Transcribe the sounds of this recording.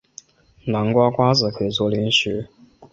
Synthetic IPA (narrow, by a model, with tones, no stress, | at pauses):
na˧˥ŋkwa˥kwa˥t͡sɹ̩˨˩kʰɤ˧˩ɪt͡swɔ˧˥li˧˥nɕɻ̩˧˥